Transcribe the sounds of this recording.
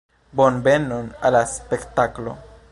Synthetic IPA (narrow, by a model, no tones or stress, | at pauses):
bonbenonalaspekt̪aklo̰